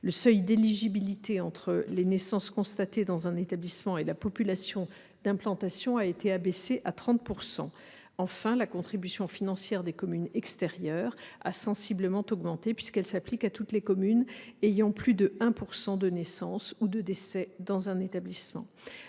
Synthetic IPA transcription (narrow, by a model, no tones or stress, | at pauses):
ləsœjd̪eliʒibilit̪eɑ̃t̪χəlenesɑ̃skɔ̃st̪at̪ed̪ɑ̃zɛ̃net̪ablismɑ̃elapɔpylasjɔ̃ | d̪̥ɛ̃plɑ̃t̪asjɔ̃aet̪eabeseʔat̪χɑ̃t̪̚puʁsɑ̰̃ | ɑ̃fɛ̃lakɔ̃t̪χibysjɔ̃finɑ̃sjɛʁd̪ekɔmynɛkst̪ɛʁjœːʁa̰sɑ̃sibləmɑ̃t̪ɔɡmɑ̃t̪epɥiskɛlsaplikat̪ut̪lekɔmynejɑ̃plyd̪əɛ̃puʁsɑ̃d̪ənesɑ̃sud̪əd̪esɛd̪ɑ̃zɛ̃net̪ablismɑ̰̃